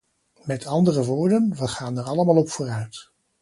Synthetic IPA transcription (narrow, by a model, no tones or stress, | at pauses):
mɛtʰɑndərəʋoːɹdənʋəχaːnəɹɑləmaːlˠɔpfʊːrœɥt